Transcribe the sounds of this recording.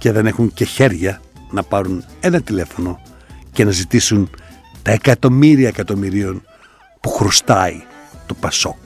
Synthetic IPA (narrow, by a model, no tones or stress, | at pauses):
ce̞ðe̞ne̞xuɲce̞çe̞ɾʝɐ | nɐpɐɾune̞nɐt̪ile̞fo̞no̞ | ce̞nɐzit̪isun | t̪ɐekɐt̪o̞miɾiɐekɐt̪o̞miɾio̞n | puxɾust̪ɐit̪o̞pɐso̞k